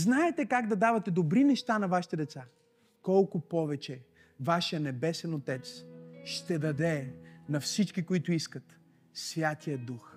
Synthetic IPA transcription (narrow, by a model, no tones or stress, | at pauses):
znaɛt̪ɛkaɡd̪ɐd̪avɐt̪ɛd̪obɾinɛʃt̪anɐvaʃi̥t̪ɛd̪ɛt̪sa | kɔlˠkʊpɔvɛt͡ʃɛ | vaʃjənɛbɛsɛnot̪ɛt̪sʃt̪ɛd̪ɐd̪ɛnɐfsit͡ʃkikoit̪ʊiskət̪ | svʲjat̪ʰijəd̪ux